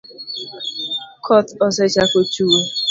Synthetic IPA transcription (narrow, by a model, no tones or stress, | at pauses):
kʰɔtɔsɛt͡ʃakot͡ʃuwo